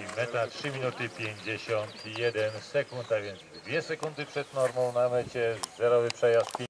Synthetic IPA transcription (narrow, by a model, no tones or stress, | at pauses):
mɛt̪atʂɘmʲinut̪ɘpʲjeɲd͡ʑeɕɔnt̪jɛd̪ɛnsɛkunt̪avʲjɛnd̪zd̪vʲjɛsɛkund̪ɘpʂɛd̪nɔɾmɔ̃w̃namɛt͡ɕɛzɛɾɔvɘpʂɛjast̪̚pʲ